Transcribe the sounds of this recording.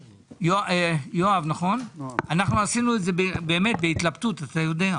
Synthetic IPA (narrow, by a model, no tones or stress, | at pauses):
joaejoavnaχo̞nanaχnuasinuetze̞bebeːme̞t̪̚beit̪labt̪utat̪ajo̞d̪ea